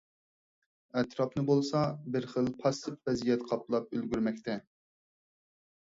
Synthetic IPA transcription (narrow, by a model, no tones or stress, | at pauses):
ɛt̪ɾɑpnɨbolˠsɑbɪɾχəlˠpʰɑsɨp̚vɛzijɛt̪qʰɑplˠɑp̚ølɡʲyɾmɛk̚ʲt̪ʰɛ